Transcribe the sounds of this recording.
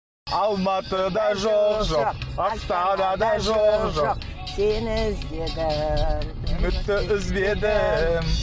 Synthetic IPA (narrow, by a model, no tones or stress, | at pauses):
ɑlˠmɑt̪əd̪ɑʒoʒoqəqt̪ɑd̪ɑd̪ɑʒoqʒoq | sʰenɪzbed̪ɪ | nʏkt̪ːɪʔɪzbe̞d̪ɪ